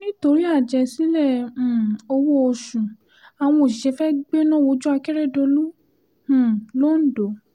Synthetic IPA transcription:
nĩ˦to˧ɾi˦a˦˨d͡ʒɛ˧si˨˦lɛ̃˦˨ | o˧wo˦o˧ʃũ˨ | a˨w̃ɔ̃˧o˨ʃi˨ɛ˨˧˦fɛ˦ɡ͡be˦nɔ̃˦˨wo˨˧˦d͡ʒu˦a˧kɛ˦ɾɛ˦˨do˧lũ˦˨ | lo˦n̩˦do˨˦

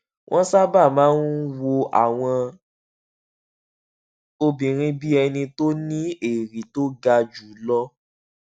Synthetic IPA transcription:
w̃ʔɔ̃˦sa˦ba˦˨mãː˨˦n˦wo˧ʔa̰˨w̃ɔ̃˧ | o˧bĩ˨ɾ̃ĩ˦bi˦ɛ˧nĩ˧to˦nĩ˦e˨ɾi˨˦to˦ɡa˧d͡ʒu˨˦lɔ˦

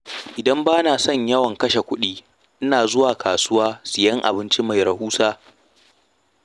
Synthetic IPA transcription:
ʔɪ˨dɐ˦mbaː˦naː˨sɔ˦˨ɲjɐ˦wɐ˨ŋkɐ˦ʃe˨kʷʊ˦ɗiː˦ | ʔɪ˦naː˨zʊ˦waː˨kʰaː˨sʊ˦waː˦sɪ˨jɐ˦ŋʔa̰˨bɪ˦nt͡ʃi˦ma˨jɾɐ˨huː˦saː˦

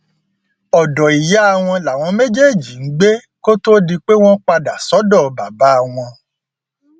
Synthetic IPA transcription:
ɔ˨dɔ˨i˨ja˨˦a˦˨w̃ɔ̃˧la˨w̃ɔ̃˧mẽ˦d͡ʒe˦˨d͡ʒi˨ŋ̩˦ɡ͡be˦ | ko˦to˦di˧k͡pe˦w̃ɔ̃˦k͡pa˧da˨sɔ˨˦dɔ˦˨ba˨ba˨˦a˦˨w̃ɔ̃˧

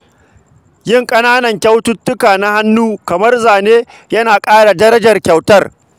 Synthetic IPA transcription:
jɪ˦ŋkʼɐ˦naː˦nɐ˨ŋkʲa˦wtʊ˦tːʊ˦kaː˨na˦ha˦nːuː˦kɐ˨mɐ˦rzaː˨neː˦ | jɐ˦naː˨kʼaː˦ɽa˨dɐ˦ɾɐ˦d͡ʒɐ˨rkʲa˨wtɐ˦r

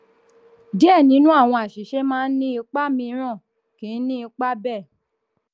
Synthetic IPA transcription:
di˦ɛ˦˨nĩ˨˦nũ˦a˦˨w̃ɔ̃˧a˨ʃi˨ʃe˨˦mãː˦n̩˦nĩ˦i˧k͡pa˦mĩ˧˦ɾ̃ã˦˨ | ki˨˦nĩ˦i˧k͡pa˦bɛ˦˨

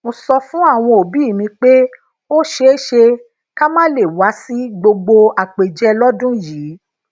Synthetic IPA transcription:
mo˧sɔ˧fũ˦a˦˨w̃ɔ̃˧o˨bi˨˦˨mĩ˧k͡pe˦ | o˦ʃe˦e˦ʃe˧ | ka˦mãː˦le˦˨wa˨˦si˦ɡ͡bo˧ɡ͡bo˧a˨k͡pe˨d͡ʒɛ˧˦lɔ˦dũ˦jiː˨˦

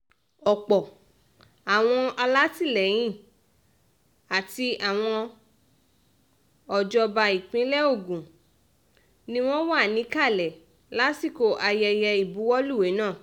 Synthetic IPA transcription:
ɔ˨k͡pɔ˨ | a˨w̃ɔ̃˧a˧la˦ti˦˨lɛ˨j̃ĩ˦˨ | a˨ti˧a˨w̃ɔ̃˧ | ɔ˨d͡ʒɔ˧ba˧i˨k͡pĩ˨˦lɛ˦o˦˨ɡũ˨ | nĩ˦w̃ɔ̃˦wa˦˨nĩ˨˦ka˦˨lɛ˨ | la˦si˦˨ko˧˨ʔa˧jɛ˧jɛ˧i˨bu˨˦wɔ˦lu˦˨we˨˦nãː˦˨

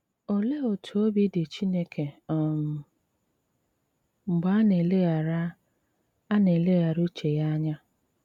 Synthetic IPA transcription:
o˨le˦o˨tʰu˨o˦bi˦dɪ˨t͡ʃi˦ne˦kʰe˨ɔ˨m˨ | ŋ͡m̩˨ɡ͡ba˦ne˨le˦ja˨ɾa˦ | a˦ne˨le˦ɣa˨ɾu˦t͡ʃe˨ja˦ɲa˦

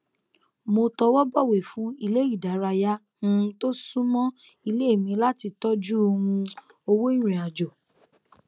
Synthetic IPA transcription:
mo˧tɔ˧wɔ˦bɔ˦˨we˨fũ˨˦i˧le˦i˦˨da˨˦ɾa˧ja˦ | h̩˦˧to˦sũ˦mɔ̃˦ | i˧le˦e˦˨mĩ˧la˦ti˧tɔ˦d͡ʒu˦o˧hũ˧ | o˧wo˦i˦ɾ̃ĩ˨a˨d͡ʒo˨

